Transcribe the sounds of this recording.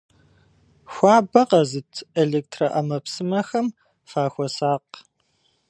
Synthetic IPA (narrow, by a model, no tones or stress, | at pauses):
xʷɑːbɐqɐzɨtʰeɮeːk̚tʰrɐʔɐmɐpsɨmɐxɐm | faːxʷɔsaːq